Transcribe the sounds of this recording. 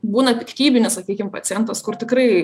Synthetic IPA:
buːnɐt̪ʲɪkʲt̪ʲiːbʲɪnʲɪssɐkʲiːkʲɪmpɐtsʲɪjɛnt̪ɐskʊrt̪ʲɪkɾɐɪ

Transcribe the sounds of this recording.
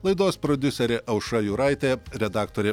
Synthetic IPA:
lˠɐɪd̪oːspɾɔd̪ʲʊsʲɛɾʲɛʔɐʊʃɐjuːɾɐɪt̪ʲeːɾʲɛd̪ɑːkt̪oːɾʲe

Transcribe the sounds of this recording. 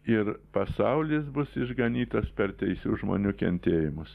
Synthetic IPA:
ɪɾpɐsɐʊlʲɪs̬bʊsɪʒɡɐnʲiːt̪oːspʲɛɾt̪ʲɛɪsʲuːʒmo̰ːnʲuːkʲɛ̰nʲt̪ʲeːjɪmʊs

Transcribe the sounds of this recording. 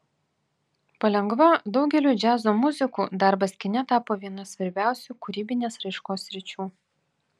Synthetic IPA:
pɐlʲɛŋɡʋɐd̪ɒʊɡʲɛlʲuːd͡ʒʲæːzoːmʊzʲɪkuːd̪ɐɾbɐsʲkʲɪnʲɛt̪ɑːpoːʋʲiɛnɐsʲʋɐɾʲbʲæˑʊsʲuːkʊɾʲiːbʲɪnʲeːsɾɐɪʃkoːsːʲɾʲɪt͡ʃʲuː

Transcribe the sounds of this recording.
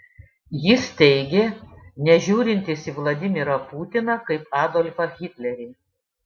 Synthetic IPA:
jɪst̪ʲɛɪɡʲenʲɛʒʲuːɾʲɪnʲt̪ʲɪsʲiʋlˠɐd̪ʲɪmʲɪɾɐpuːt̪ʲɪnɐkɐɪpɑːd̪olʲfɐɣʲɪt̪ʲlʲɛɾʲɪ

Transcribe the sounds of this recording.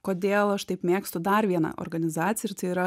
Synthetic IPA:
koːd̪ʲeːlˠɐʃt̪ɐɪpmʲeːkst̪ʊd̪ɐɾʋʲiɛnɐ̰ʔo̰ɾɡɐnʲɪzɑːt̪sʲɪjɪrt̪ʲɐɪiɾɐ

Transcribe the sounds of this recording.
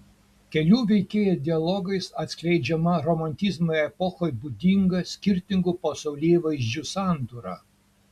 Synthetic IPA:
kʲɛlʲuːʋʲɛɪkʲeːjɛd̪ʲɪɐlˠɔɡɐɪsɐt̪ʲsʲklʲɛɪd͡ʒʲɛmɐɾɔmɐnʲt̪ʲɪzmoɛpɔxoːjbʊd̪ʲiŋɡɐsʲkʲɪɾʲt̪ʲɪŋɡupɐsɐʊlʲeːʋɐɪzʲd͡ʒʲusɑˑnt̪uɾɑ

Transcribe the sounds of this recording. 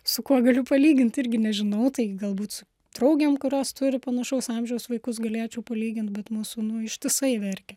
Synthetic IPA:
sʊkuɔɡɐlʲʊpɐlʲiːɡʲɪnt̪ɪrʲɡʲɪnʲɛʒʲɪnɐʊt̪ɐɪɡɐlˠbuːt̪sʊ | t̪ɾɐʊɡʲemkʊɾʲoːst̪ʊɾʲɪpɐnɐʃɐʊsɑmʲʒʲɛʊsʋɐɪkʊs̬ɡɐlʲeːt͡ʃʲɛʊpɐlʲiːɡʲɪnt̪̚bʲɛt̪muːsʊnʊɪʃʲt̪ʲɪsɐɪʋʲɛɾʲkʲɛ

